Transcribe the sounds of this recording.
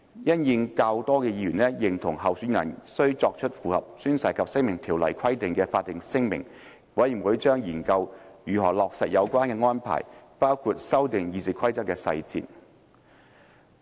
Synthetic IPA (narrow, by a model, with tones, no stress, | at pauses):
jɐ˥njɪ˧ŋka˧wt̪ɔː˥kɛː˧jiː˧jyː˨˩nlɛ˥jɪ˨˩ŋt̪ʰʊ˨˩ŋɦɐ˨wsy˨˥njɐ̰˨˩nsɵ˥ɥt͡sɔː˧k̚t͡ʃʰɵ˥t̚fuː˨˩hɐ̰˨p̚syː˥nsɐ˨˩jkʰɐ˨p̚sɪ˥ŋmɪ˨˩ŋt̪ʰiː˨˩wlɐ̰˨˩jkʰɐ˥jt̪ɪ˨ŋkɛː˧faː˧t̚ːɪ˨ŋsɪ˥ŋmɪ̰˨˩ŋ | wɐ˨˥jwu˨˥jt͡ʃœː˥ŋjiː˨˩nkɐ˧wjyː˨ɦɔː˨˩lɔː˨k̚sɐ˨t̚jɐ˨˧wkʷaː˥nkɛː˧ŋɔː˥npʰa̰ː˨˩jpaː˥wkʰu˨˧t̚sɐ˥wt̪ɪ˨ŋjiː˧t͡si˨kʰɐ˥jt͡sɐ˥t̚kːɛː˧sɐ̰˧jt͡sḭ˧t̚